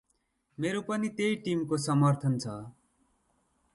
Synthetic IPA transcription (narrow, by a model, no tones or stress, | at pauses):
meɾopʌnit̪ejʈimkosʌmʌrt̪ʰʌnt͡sʰʌ